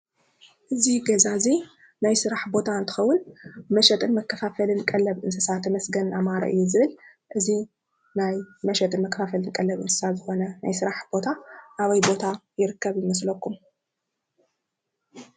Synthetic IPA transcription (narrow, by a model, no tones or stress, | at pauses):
ʔɨziɡɐzazi | najsɨɾaħbo̞t̪ʰaɨnt̪ʰɨ̥xɐwːʊnmɐʃɐt̪ʼɨnmɐkʰːɐfafɐlɨnkʼɐlːɐβʔɨnsɨsat̪ʰːɐmɐsɡɐnamaɾɐ̰ʔɨ̰jːuzɨβɨl | ʔɨzi | najmɐʃɐt̪ʼɨnmɐkʰːɐ̥fafɐlɨnkʼɐlːɐβɨ̰nsɨ̥sat̪zɨxo̞nɐnajsɨɾaħb̥o̞t̪ʰaʔaβɐjbo̞t̪ʰajɪɾɨkːɐβjɪmɐs̬lɐkːum